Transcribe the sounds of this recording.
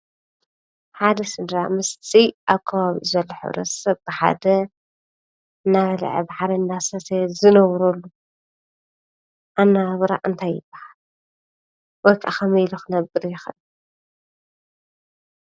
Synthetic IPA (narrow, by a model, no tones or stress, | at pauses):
ħad̪ɐsɨd̪ɾamɨst̪ʰiʔaβkʰɐβaβḭʔzɐlːoħɨ̰βɾɐ̰sɐβbɨħa̰d̪ɐ | ɨnːaβɐl̰ʕɨ̰baħaɾɐnːasɐsʰezɨnɐwɾolːu | ʔanːaβɾa̰ʔɨnt̪ʰajːɨb̥ːahal | wɔjkʼa̰xʰɐmɐjluxɨnɐbɨɾjɪxɐʔ